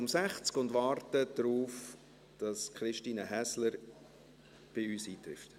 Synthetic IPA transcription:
ʊmsæχt͡skʊndʋɑːɾtəd̥ɾuːf | d̥ɑskχɾɪʃtiːnəɦæsləɾ | b̥ɪyːsiːtɾɪ̰ft

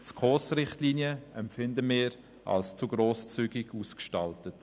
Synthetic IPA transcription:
t͡skʰoːsrɪχtliːnjəɛmpfɪndəmɪːɾ | ʔa̰lst͡suɡɾoːst͡syːɡɪɡuːskʃtɑltət

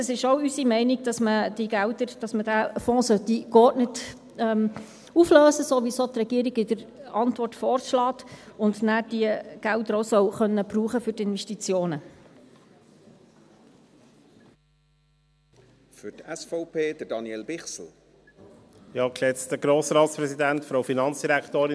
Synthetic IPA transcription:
əsɪʃowysimɛɪnɪɡ̚d̥ɑsməd̥iɡæʊtəɾd̥ɑsmədæːfɔ̃ːsœt̪ikɔtnət | ɛm | ufløːsəsoʋisoːt̪rɛɡ̥iəɾɪɡɪdəɾɑnt̪ʋɔrtfɔːrʃlɑːtʊndnæːrd̥iəɡ̥æltəɾoʊsœwχœnːəbɾuːχəfʏrtɪnvɛʃtit͡sjoːnə | fʏtɛsfɔʊpʰeːd̥əɾdɑnjɛlbɪχsl̩ | jɑːkʃɛt͡st̪əɡɾoːsɾɑːtspɾɛsidæntfɾoʊfinɑnt͡sd̥iɾækt̪oːɾɪ

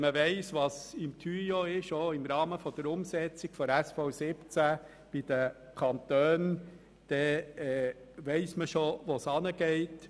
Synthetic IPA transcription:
məʋɛɪsʋɑsɪmtʰyjoɪʃoɪmɾɑːməfɔd̥̪əɾʊmsɛt͡sɪɡ̥fɔɾæsfɔʊsɪpt͡sæ | b̥ɪd̥̪ə | kʰɑnt̪øːn | d̪̥ɛɛ | ʋɛɪsməʃoʋosɑnəɡɛɪt

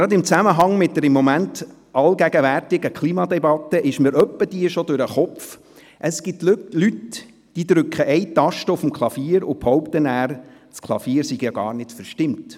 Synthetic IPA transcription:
ɾɑd̪ɪmt͡sæməɦɑŋmɪt̚dəɾɪmːɔmænt | ɑlɡæɡəʋærtɪɡəkʰliːmɑd̪ɛbɑt̪ːəʔɪʃməɾœpːəd̥iəʃod̪ʊɾəχɔpf | ʔəsɡ̥ɪtlyt | d̥id̪ɾʏkχəʔɛɪt̪ɑʃtəʊfm̩kʰlˠɑfiːəɾʊphɔʊpt̪ənæːɾ | skʰlˠɑ̰fiːəɾsiɡjɑɡɑ̰ːɾnɪtfɛɾʃtɪmt

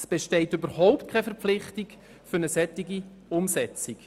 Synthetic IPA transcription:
sb̥ɛʃtɛɪtøbəɾhɔʊptkʰɛfɛɾpflɪχtɪk | fʏɾnəsɛtːɪɡi | ʊmsɛt͡sik

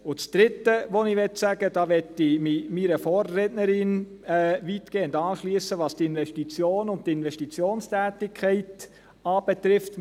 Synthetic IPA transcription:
ʊt͡sd̥ɾɪtːəʋɔnɪʋɛtsæɡ̥əd̥ɑːʋɛtːɪmimiɾəfɔːrːɛtnəɾɪn | ɛːʋitɡ̥eːʊndɑːʃliəsəʋɑːstɪnʋɛʃtit͡sjoːnʊnt̚tɪnʋɛʃtit͡sjoːnstʰæːtɪkʰχɛɪt | ɑːb̥ɛt̪ɾɪft

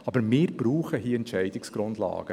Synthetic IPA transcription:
ɑbəɾmɪːɾb̥ɾuːχəɦiːɛntʃɛɪdɪksɡ̥ɾʊndlɑ̰ːɡ̥ə

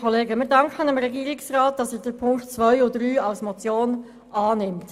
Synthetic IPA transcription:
ɔleːɡəmɪːɾdɑŋkχənəmɾɛɡiːɾɪksrɑːt̚d̥ɑsɛd̥əpʰʊŋkt͡sʋœʏʊdɾyːɑlsmɔt͡sjoːn | ʔɑːnɪmt

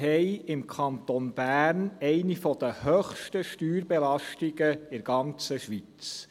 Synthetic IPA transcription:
ɛɪɪmkʰɑnt̪onb̥æːɾnɛɪnifɔd̪̥əhøχʃtəʃtyːɾbɛlɑʃtiɡəɪɾɡ̥ɑnt͡səʃʋi | t͡s

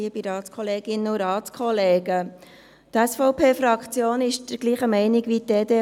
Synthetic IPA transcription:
iəpiɾɑːtskʰχɔleːɡ̥ɪnəʊɾɑːtt͡skχɔleːɡə | t̪æsfɔʊpʰeːfɾɑkχt͡sjoːnɪʃd̥əɾɡ̥liːχəmɛɪnɪɡʋitdeːd̪e

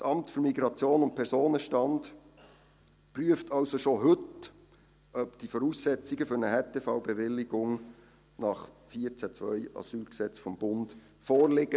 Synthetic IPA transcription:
sʔɑmtfɵɾmiɡɾɑt͡sjoːnʊnt̚pʰɛɾsoːnəʃtɑnd | pryəftʰɑlsoʃoɦɵt | ʔœpd̥ifɔɾusːɛt͡siɡəfʏɾnəhɛtʰefaʊbɛvɪlːɪɡʊŋ | nɑχfiːət͡sæt͡svœ̰ɪɑ̰syːlksɛt͡sfɔmb̥ʊnd | fɔːrlɪɡ̥ə

